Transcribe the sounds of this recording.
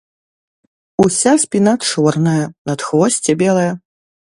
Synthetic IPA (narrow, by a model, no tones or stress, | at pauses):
usʲasʲpʲinat͡ʂɔrnɐjɐnɐt̪xvɔsʲt͡sʲɛbʲɛlˠɐjɐ